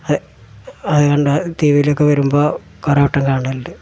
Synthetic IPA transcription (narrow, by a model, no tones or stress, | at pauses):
ɐðɨ | ɐðɨkɐɳɖɨt̪iːʋijileokːeʋɐɾumboː | korɐpɐʈːɐŋkaːɳɐlɨ